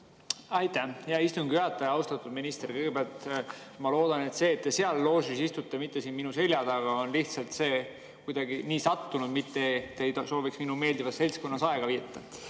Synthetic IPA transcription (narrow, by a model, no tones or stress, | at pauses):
ɑjt̪ːæhjɑist̪uŋɡiyɑt̪ːˑɑjɑɑwst̪ɑt̪ːˑud̪minist̪erkɤjɡebeɑlt̪ | mɑlo̞ːd̪̥ɑne̞t̪se̞ːt̪ːese̞ɑlːo̞ːsisist̪ut̪ːˑemit̪ːe̞siːnminuse̞lʲjɑd̪ɑɡ̥ɑo̞nliht̪sɑlt̪se̞ː | kujd̪ɑɡiniːsɑt̪ːunud̪mit̪ːe̞t̪ːejt̪so̞ːviksminume̞ːld̪ivɑsse̞lʲsko̞nːɑsɑe̞ɡ̥ɑviːt̪ːɑ